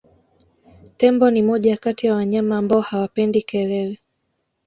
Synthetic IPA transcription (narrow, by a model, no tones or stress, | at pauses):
tɛmbɔnimɔʄakatijawaɲamaːmbaɔhawapɛndikɛɾɛlɛ